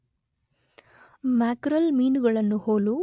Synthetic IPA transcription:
maːkɾɐlmiːnuɡɐɭɐnːuhoːlu

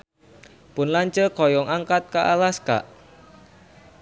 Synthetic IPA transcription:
pʊnlaɲt͡ʃəkɔjɔŋaŋkat̪̚kaʔalaska̰ʔ

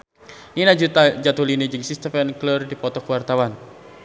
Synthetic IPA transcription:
ninad͡ʒut̪ad͡ʒat̪ulinəd͡ʒɨŋsist̪ɛfɛnklɔrdipɔt̪ɔkwart̪awan

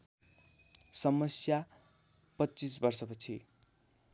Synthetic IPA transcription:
sʌmʌsja | pʌtːt͡sisbʌrsʌpʌt͡sʰi

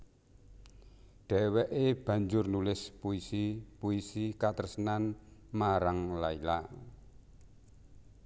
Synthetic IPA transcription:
ɖ̥ɛ̤wɛʔeb̥ä̤ɲd͡ʒʊrnulɪspuisipuisikat̪ərsənanmaɾaŋlaila̰

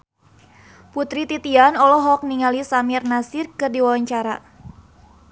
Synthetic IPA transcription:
put̪ɾit̪it̪ianɔlɔɦɔk̚niŋalisamirnasɪrkɨrdiwawaɲt͡ʃaɾa

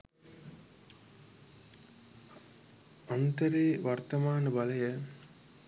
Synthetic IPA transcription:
ɐnt̪ɐɾeːʋɐɾt̪ɐmaːnɐbɐlɐjə

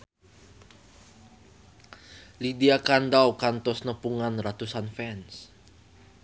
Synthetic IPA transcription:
lidiakandawkant̪ɔsnəpuŋanrat̪usanfɛns

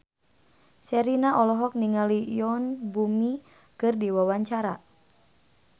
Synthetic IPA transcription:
sɛɾinaʔɔlɔɦɔk̚niŋalijɔnbumi | kɨrdiwawaɲt͡ʃaɾa

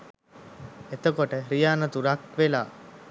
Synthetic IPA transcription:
et̪əkoʈəɾijaːnət̪uɾakʋela̰ː

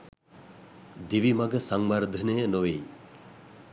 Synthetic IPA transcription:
d̪iʋimaɡəsaŋwaɾd̪ʱɐnejənoʋej

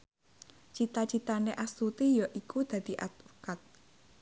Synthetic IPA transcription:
t͡ʃit̪at͡ʃit̪aneʔasut̪ijɔʔikud̪̥a̤d̪̥i̤ʔat̪̚ukat̪̚

